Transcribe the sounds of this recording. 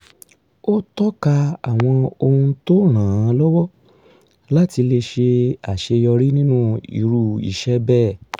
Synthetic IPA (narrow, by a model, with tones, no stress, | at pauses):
o˦tɔ˦ka˧a˨w̃ɔ̃˧o˧hũ˧to˦ɾ̃ãː˨ã˨˧lɔ˦wɔ˦ | la˦ti˧le˧ʃe˧a˨ʃe˧jɔ˧ɾi˦nĩ˦nũ˦ḭ˨ɾu˧˨ḭ˨ʃɛ˦bɛ˦˨